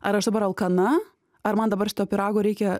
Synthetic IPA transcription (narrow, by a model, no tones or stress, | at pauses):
ɐɾɐʃd̪ɐbɐɾɐlˠkɐnɐ | ɐɾmɐnd̪ɐbɐɾʃʲɪt̪oːpʲɪɾɑːɡoːɾʲɛɪkʲɛ